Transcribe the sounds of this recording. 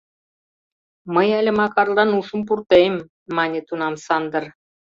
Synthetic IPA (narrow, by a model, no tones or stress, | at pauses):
mɤjælʲɘ̆mɑkɑrlɑnuʃə̆mp̬urt̪ejmː | ɑnʲĕt̪unɑmsɑnd̪ɤ̆r